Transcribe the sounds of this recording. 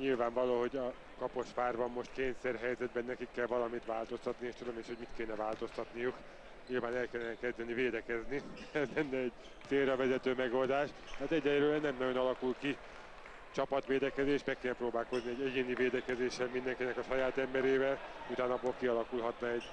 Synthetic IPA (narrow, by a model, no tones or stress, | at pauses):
ɲilvaːɱvɒloːɦo̞ɟɒ | kɒpo̞ʃfaːrbɒmːo̞ʃt̪keːɲsɛrɦɛjzɛd̪̚bɛnːɛkikːɛlvɒlɒmit̪ʋaːlt̪o̞st̪ɒt̪nieːʃt̪ud̪omeʃho̞ɟmit̪keːnɛvaːlt̪o̞st̪ɒt̪nijuk | ɲilvaːnɛlkɛlːɛnɛkɛzd̪ɛniveːd̪ɛkɛzniɛzɛnːɛɛɟ | seːrːɒvɛzɛt̪øːmɛɡo̞ld̪aːʃt̪t̪ɛaːt̪ɛɟːɛløːɛnːɛmnɒɟo̞nɒlɒkulki | t͡ʃɒpɒt̪ʋeːd̪ɛkɛzeːʃbɛkːɛlproːbaːlko̞zniɛɟɛɟeːniveːd̪ɛkɛzeːʃːɛlmind̪ɛŋkinɛkɒʃɒjaːt̪ɛmbɛɾeːvɛlut̪aːnɒboːlkiɒlɒkulɦɒt̪lɛɛɟ